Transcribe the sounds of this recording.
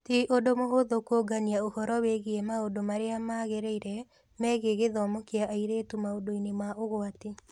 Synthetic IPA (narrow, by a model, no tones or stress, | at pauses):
tiʔodomoɦoðokoɡaniaohɔɾɔweɣiɛmaodomaɾeamaɣeɾeiɾɛ | mɛɣeɣeðɔmokeaʔaiɾetumaodoinemaʔoɣoati